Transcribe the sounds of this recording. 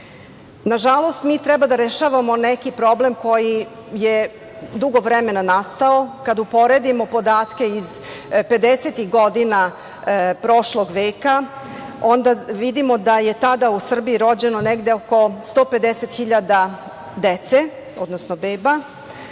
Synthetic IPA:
naʒalˠo̞st̪miːt̪ɾɛbad̪aɾeʃaːʋamo̞nɛkipɾo̞blemko̞jije | d̪uɡo̞ʋɾɛmenanast̪aokad̪upo̞ɾe̞d̪imo̞po̞d̪aːt̪ke̞iz | pe̞d̪eset̪iɣɡod̪ina | pɾo̞ʃlo̞ɡʋeːka | o̞nd̪aʋid̪imo̞d̪aje̞t̪ad̪ausr̩biiɾo̞d͡ʑe̞noneɡd̪e̞oko̞st̪oːpe̞d̪eset̪xiʎad̪a | d̪et̪se | od̪nosnobeːba

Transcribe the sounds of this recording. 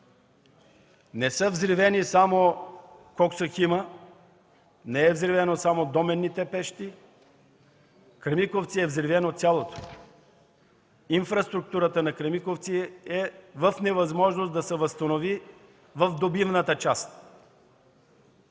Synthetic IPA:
nɛsəvzɾivɛnisamo | kɔksəximə | nɛɛvzɾivɛnosamod̪ɔmɛnːit̪ɛpɛʃt̪i | kɾɛmikoft̪siɛvzɾivɛnot̪sjalˠot̪o̥ | infɾɐst̪ɾuk̚t̪uɾət̪ənɐkɾɛmikoft̪siɛvəfnɛvɐzmɔʒnosd̪ɐsɛvəst̪ɐnovi | vəvd̪obivnət̪ət͡ʃast̪̚

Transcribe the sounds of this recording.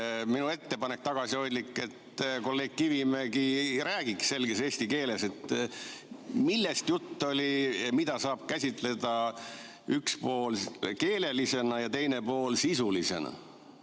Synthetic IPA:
minue̞t̪ːe̞pɑnek̚t̪ɑɡ̥ɑsiho̞jd̪likˑːe̞t̪ko̞lːeːk̚kivimeɡiɾæːɡ̥iksse̞lɡ̥ese̞ːsʲt̪ike̞ːle̞se̞t̪ | milːest̪jut̪ːo̞lʲimid̪̥ɑsɑːb̥̚kæsʲit̪ˑle̞d̪ɑ | ykspo̞ːlke̞ːle̞lise̞nɑjɑt̪e̞jne̞po̞ːlsisulise̞̰nɑ̰

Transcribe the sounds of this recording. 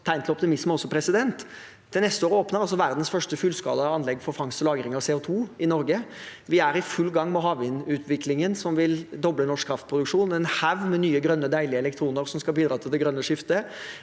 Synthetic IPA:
t̪ʰæɪnt̪ʰlɔp̚t̪ɪmɪsməɔsːɔpʰɾɛsɪd̪ɛnt̪ʰː | ɛnɛst̪əoːɾəoːpnəɾɑls̬ɔʋæɾd̪n̩sfœʂʈəfʉlskɑ̰ːləɑnlɛɡfɔɾfɑŋsɔlɑːɡɾɪŋɑʋsɛːʊt̪ʰuːɪnɔɾɡəʋɪæɾɪfʉlːɡɑŋːmɛɦɑːʋɪnʉːt̪ʰʋɪklɪŋənsɔmʋɪld̪ɔblənɔʂkʰɾɑft̪̚pʰɾʊd̪ʉkʂuːnɛnhæʋmɛnyːəɡɾœnːəd̪æɪlɪəɛlɛk̚t̪ʰɾuːnəɾsɔmskɑlbiːd̪ɾɑːt̪ʰɪlɛɡɾœnːəʂɪft̪ə

